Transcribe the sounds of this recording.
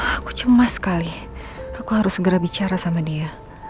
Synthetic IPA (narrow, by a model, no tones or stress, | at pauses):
aku̥t͡ʃəmasə̥kaliakuhaɾʊssəɡəɾabit͡ʃaɾasamadia